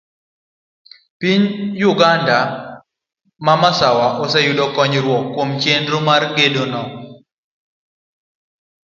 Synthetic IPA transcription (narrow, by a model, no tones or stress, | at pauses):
piɲjʊɡanda | mamasawaʔɔsɛjudɔkɔɲɾwɔkːomt͡ʃendɾomarɡedonɔ